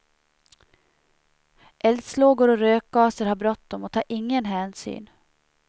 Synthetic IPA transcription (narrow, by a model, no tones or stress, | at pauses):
ʔɛld̪sloːɡʊɾɔɾøːk̚ɡɑːsəɾhabɾɔt̪̚ːd̪ɔmɔt̪ʰɑːɾʔɪŋːənɦæːnsy̰ːn